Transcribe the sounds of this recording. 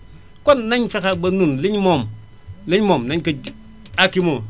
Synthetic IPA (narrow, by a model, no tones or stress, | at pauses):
konnaɲfekabɐnunliɲmom | leɲmomnaɲkɐ | akimo